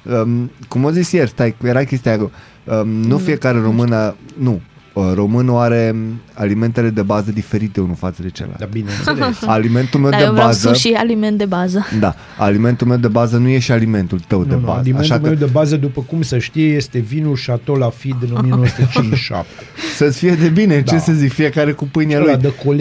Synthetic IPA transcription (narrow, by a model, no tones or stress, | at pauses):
əkumozisjerʲst̪ajjeɾakʲe̞st̪ijak | ənufie̞kaɾe̞ɾo̞mɨnənu | əro̞mɨnoaɾe̞alime̞nt̪e̞le̞d̪e̞bazəd̪ife̞ɾit̪e̞unufat̪səd̪e̞t͡ʃḛla̰labinḛalime̞nt̪ulme̞wd̪ebazəʃialiment̪̚d̪ebazəd̪a̰ | alime̞nt̪ulme̞wd̪e̞bazənuje̞ʃalime̞nt̪ult̪əwdneba̰zimaʃamewd̪ebazəd̪upəkumsəʃt̪ijejest̪e̞vinulʃat̪olafid̪ɨnomienowsəet͡ʃint͡ʃʃa̰p̚t̪esət̪sʲfije̞d̪e̞bine̞t͡ʃesəzikfije̞kaɾe̞kupɨjnialujd̪əkol